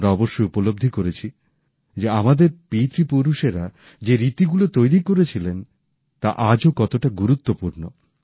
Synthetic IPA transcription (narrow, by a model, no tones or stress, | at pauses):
ɾaɔboʃːojupolob̚d̪ʱikoɾet͡ɕʰi | d͡ʑeamad̪eɾpit̪ɾipuɾuʃeɾa | d͡ʑeɾit̪iɡulot̪ojɾikoɾet͡ɕʰilen | t̪a̰ʔad͡ʑokɔt̪oʈaɡuɾut̪ːopuɾno